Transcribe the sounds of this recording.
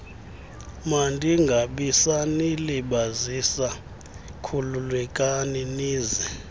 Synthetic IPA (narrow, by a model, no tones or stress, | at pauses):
mandʱiŋɡʱaɓisaniliɓazisa | kʰululwɛkʼaniniːzɛ